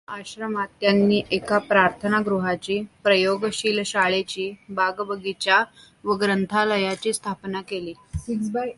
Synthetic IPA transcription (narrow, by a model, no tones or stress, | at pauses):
aɕɾəmat̪janːiːʔekapɾaɾt̪ʰənaɡɾuɦat͡ɕiːpɾəjoɡɕiːlɕaɭet͡ɕiːbaɡbəɡit͡ɕja | ʋəɡɾənt̪ʰaləjat͡ɕiːst̪ʰapnakeliːiksba